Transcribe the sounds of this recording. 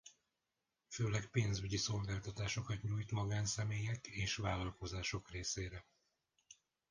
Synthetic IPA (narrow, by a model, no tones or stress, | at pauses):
føːlɛkpeːnzyɟiso̞lɡaːlt̪ɒt̪aːʃo̞kɒt̪ɲuːjt̪mɒɡaːnsɛmeːjɛkeːʃvaːlɒlko̞zaːʃo̞kreːseːɾɛ